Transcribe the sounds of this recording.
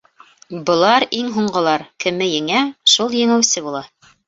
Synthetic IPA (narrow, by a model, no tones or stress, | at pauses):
bɤ̆lˠɑɾiŋɦuɴɢɤ̆lˠɑɾkɘ̆mɘjɘ̆ŋæʃulˠjɘ̆ŋɘ̆wsɘbulˠɑ